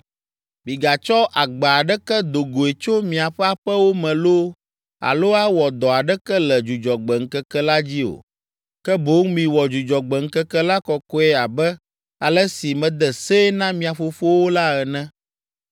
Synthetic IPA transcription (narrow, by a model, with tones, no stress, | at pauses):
mĩ˨ɡa˨t͡ʃɔ˦ʔa˨ɡ͡ba˨a˨ɖɛ˦kɛ˦d̪o˨ɡo˨e˨t͡ʃo˦mĩ˨a˨ɸɛ˦a˨ɸɛ˦wo˦mɛ̃˨lo˦ | a̰˨lo˦a˦wɔ˨d̪ɔ˨a˨ɖɛ˦kɛ˦lɛ˨d͡ʒu˨d͡ʒɔ˨ɡ͡bɛ˨ŋ̩˦kɛ˦kɛ˦la˦d͡ʑi˦o̰˨ | kɛ˦bo˨˦ŋmĩ˨wɔ˨d͡ʒu˨d͡ʒɔ˨ɡ͡bɛ˨ŋ̩˦kɛ˦kɛ˦la˦kɔ˨kɔ˦ɛ˦a˨bɛ˦ | a˨lɛ˦si˨mɛ̃˨d̪ɛ˨se˦nã˦mĩ˨a˨ɸo˨fo˦wo˦la˦ɛ˨nɛ̃˦